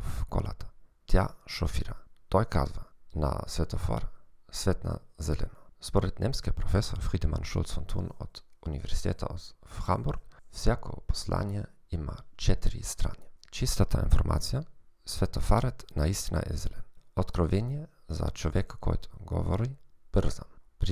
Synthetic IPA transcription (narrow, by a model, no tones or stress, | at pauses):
fko̰lat̪ḁt̪jaʃofiɾat̪ojkazvana̰svɛt̪ofa̰ɾasvɛt̪na̰zɛlɛnaspoɾɛd̪nʲɛmskɛpɾofɛsoɾfɾid̪imanʃṵlt̪sont̪ʰunot̪univɛɾz̥it̪ɛt̪ʰaoxambuɾɡfsjakʰopo̥sla̰ːnɛ | imat͡ʃɛt̪iɾḭst̪ɾaːnet͡ʃist̪at̪ʰainfoɾmʔa̰ːt̪sijasʋɛt̪ofaɾɛt̪naist̪inʔa̰ʔɛ̰zɛlɛnot̪kɾoʋenijɛzat͡ʃoʋjɛkakʰojt̪ʰo̥ɡoʋoɾib̥r̩zampɾ